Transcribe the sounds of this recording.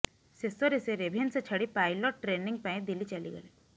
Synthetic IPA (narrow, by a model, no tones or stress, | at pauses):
sesoɾiseɾebʱenset͡ʃʰɐɽipaːɪloʈ̚ːɾeːnɪŋɡ̚paːĩd̪ilit͡ʃalḭɡɐ̰le